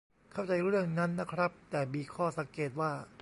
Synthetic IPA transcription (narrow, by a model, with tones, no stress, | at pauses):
kʰa˥˩wt͡ɕa˧jɾɯ˥˩əŋna˦˥nːa˦˥kʰɾa˦˥p̚t̪ɛː˨˩miː˧kʰɔː˥˩sa˨˦ŋkeː˨˩t̪̚waː˥˩